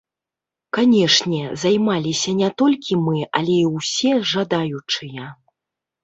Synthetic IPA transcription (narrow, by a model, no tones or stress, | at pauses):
kanʲɛʂnʲɛzajmalʲisʲɐnʲɛt̪ɔlʲkʲimɨɐ̰lʲɛiwsʲɛʐad̪ajut͡ʂɨjɐ